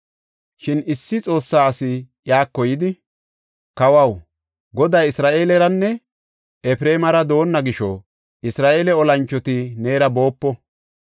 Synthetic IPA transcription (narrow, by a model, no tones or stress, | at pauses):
ʃɪnɪsːɪt͡sʼo̞ːsːaːɐsɪ | jaːkːɔjɪd̪ɪ | kɐwɐw | ɡɔd̪ɐjɪsɾaːʔe̞ːlɛɾɐnːɛ | ɛfɾeːmɐɾɐd̪o̞ːnːɐɡɪʃɔ | ʔɪsɾaːʔe̞ːlɛɔlɐnt͡ʃːɔt̪ɪne̞ːɾɐbo̞ːpːɔ